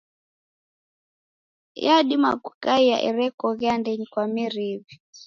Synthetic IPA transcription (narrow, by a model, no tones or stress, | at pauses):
jaɗima̰ɡukaija̰ʔɛ̰ɾɛkɔɣɛandɛɲikwamiɾiβi